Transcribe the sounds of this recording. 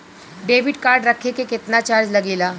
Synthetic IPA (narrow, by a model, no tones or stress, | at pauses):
ɖeʋɪɖkaːɾɖɾəkʰekekɪt̪nat͡ʃaːɾd͡ʒləɡiːlaː